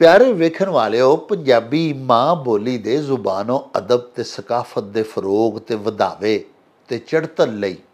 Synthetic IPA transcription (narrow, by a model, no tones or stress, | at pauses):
pjaːɾeːʋeːkʰənʋaːleːoːpəɲd͡ʒaːbiːmãːboːliːd̪eːzʊbaːnõːəd̪əb̚t̪eːsəkaːfʰət̪̚d̪eːfʰəɾoːɡt̪eːʋəd̪a̰ːʋeː | t̪eːt͡ʃəɽt̪ənləiː